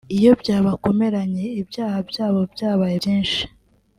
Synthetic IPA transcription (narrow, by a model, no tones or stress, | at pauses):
ijo̞bɟaːβako̞me̞ɾaɲe̞ibjaːhabjaːβo̞bjaːβajejiːnʃi̥